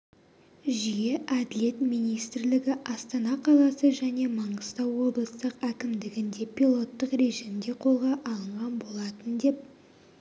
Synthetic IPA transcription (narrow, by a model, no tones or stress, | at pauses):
ʒijeʔæd̪ɪle̞t̪mijnijst̪ɾlɪɡʲɪʔɑst̪ɑnɑqʰɑlˠɑsəʒæne̞mɑɴəst̪ɑwːo̞blˠəst̪əqækʲɪmd̪ɪɡʲɪnd̪e̞pʲilˠo̞t̪ːəqɾe̞ʒimd̪e̞qʰo̞lˠʁɑʔɑlˠəɴʁɑnbo̞lˠɑt̪ənd̪e̞p̚